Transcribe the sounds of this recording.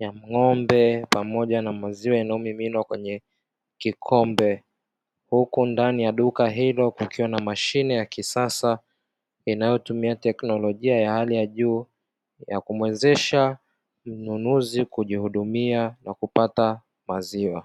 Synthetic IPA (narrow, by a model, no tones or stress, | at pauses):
jam̩ŋɔmbɛpamɔʄanamaziwainaɔmiminwakwɛɲɛ | kikʰɔmbɛ | hukundanijaɗukaɦilɔkukiwanamaʃinɛjakisasa | inajɔtumiatɛknɔlɔʄiajahalijaʄuː | jakumwɛzɛʃa | m̩nunuzikuʄihuɗumianakupata | maziwa